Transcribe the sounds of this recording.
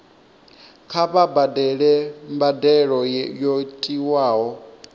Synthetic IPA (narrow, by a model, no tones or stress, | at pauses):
kʰaβabadɛɺɛmbadɛɺɔjotʼiwaːɦɔ